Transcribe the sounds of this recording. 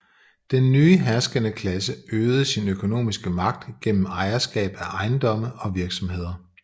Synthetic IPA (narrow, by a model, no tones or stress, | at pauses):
d̥enːyːəɦæɐsɡ̥ənəkʰlæsəøːð̩ˠəsinøkʰo̝no̝̰ːmisɡ̥əmɑ̈ɡ̥̚d̥ɡ̥en̰m̩ɑ̈ɪɐsɡ̥ɛ̰ːb̥æʔɑ̈ɪnd̥ɒ̽məɒ̽ʋiɐɡ̥sɒ̽mhe̝ð̞̰ˠɐ